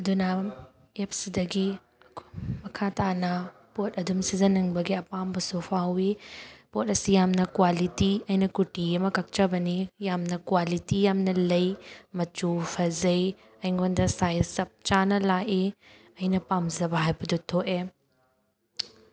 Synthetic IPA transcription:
ɐdunɐ | ep̚sidɐɡi | ɐkʰmɐkʰatanɐ | pot̚ɐdumsizɐnɐŋbɐɡiɐpambɐsupʰawipot̚ɐsijamnɐkwalitiɐjnɐkutiɐmɐkɐk̚t͡ʃɐbɐnijamnɐkwalitijamnɐlɐjmɐt͡ʃupʰɐzɐj | ɐjŋɡondɐsajsɐp̚t͡ʃanɐlaʔe | ɐjnɐpamzɐbɐɦajbɐdutʰoʔe

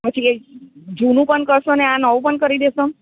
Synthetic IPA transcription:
pət͡ʃʰied͡ʒunũpəɳkəɾʃoneãnəʋũpəɳkəɾid̪eso

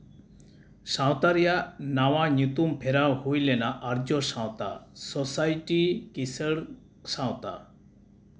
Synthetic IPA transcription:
sãwt̪aɾijanawaɲut̪umpʰeɾawɦujlenaʔaɾd͡ʒɔsãwt̪a̰sɔsajʈikisəɽ | sãwt̪a̰

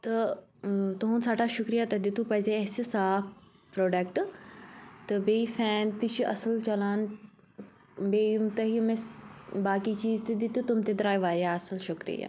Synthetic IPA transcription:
t̪ɐ | t̪ɐɦũnsaːʈʰaʃʊkɾijat̪ɐd̪ɪt̪ũpɐɦɪzeɐɦsisaːpʰ | pɾoːɖɐk̚ʈ | t̪ɐbeːifɛːnt̪iʃiʔɐsəlt͡ʃɐlaːn | beːmt̪ɐɦimẽbaːkit͡ɕiːzt̪ed̪ɪt̪ut̪ʊmt̪ed̪ɾaːjʋaːɾijaɐsəlʃʊkɾḭja̰ː

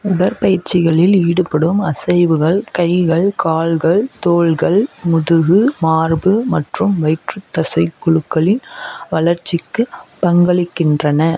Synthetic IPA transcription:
ʊɽɐɾpɐjɪɾt͡ʃɪɣɐɭɪliːɽɯpɐɽɯmɐsɐɪʋɯɣɐɭkɐɪɣɐɭkaːlɣɐɭt̪oːɭɣɐɭmʊðɯɣɯmaːɾbɯmɐʈrɯmʋɐɪʈrɯt̪ːɐsɐɪkːɔɻɯkːɐɭɪnʋɐlɐɾt͡ʃːɪkːɯpɐŋɡɐɭɪkːɪndrɐnɐ

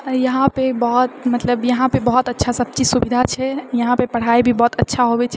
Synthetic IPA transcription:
jəɦãpebɔɦɔt̪mət̪ləbjəɦãpebɔɦɔt̪ətːʃʰasəb̚t͡ʃisubid̪ʱat͡ʃʰɛjəɦãpepəɽ̤aebʱibɔːt̪ətːʃʰaɦobɛt͡ʃʰɛ

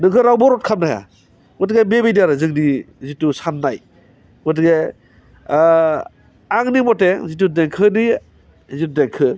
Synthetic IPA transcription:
nɯŋkʰɯɾawbɔɾɔt̚kʰamnaja̰ | ɔtɡebebejdaɾɯzɯŋnizitusanːaj | ɔt̬ɡe | aŋnimɔtezit̬udeŋkʰɯni | zitudeŋkʰɯ

